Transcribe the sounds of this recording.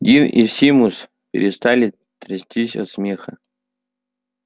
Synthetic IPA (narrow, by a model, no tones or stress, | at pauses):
ɡʲinisʲimus | pʲɪ̰ɾʲɪst̪alʲɪ | t̪ɾɐsʲtʲisʲɔ̰smʲexə